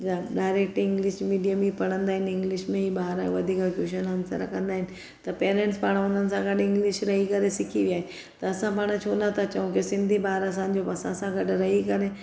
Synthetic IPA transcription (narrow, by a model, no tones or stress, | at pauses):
d͡ʑaɖaːɪɾek̚ʈɪ̃ŋɡlɪʃmiːɖijəmipɐɽ̤̃ə̃nd̪aːɦɪnɪŋɡliʃmẽɦibaːɦɾaḛʋɐd̪ʱiːkakjuʃənənsə̰ɾa̰kə̃nd̪aːɦɪn | t̪ɐpeːɾẽɳʈspaːɽ̤̃ãʊnənsãɡʱəʈɪ̃ŋɡliʃɾəɦikɐɾẽsikʰiʋiaːɦe | t̪ɐɐsãpaːɽ̃ãt͡ʃʰoːnat̪at͡ʃɐũkesɪ̃nd̪ʱibaːɾas̬ãːɲd͡ʑopɐsãsãɡʱəʈɾɐɦikɐɾẽ